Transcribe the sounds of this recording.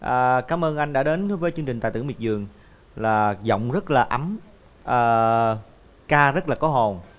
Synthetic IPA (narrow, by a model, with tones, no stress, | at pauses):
ʔəː˨˩kaː˨˦mʔəː˧nʔa˧jŋ̟ɗa̰ː˧˥ɗe˨˦nvəː˨˦jt͡ɕɨ˧ŋt͡ɕi̟˨˩t̪a̰ː˧˨t̪ɨ˧˩m̚˨˩zɨ˨˩əŋ | laː˨˩zɔ̰˧˨wŋ͡mzə˦˥t̚laː˨˩ʔa˨˦m | ʔəː˨˩ | kaː˧zə˦˥laː˨˩kɔ˨˦ɦo˨˩n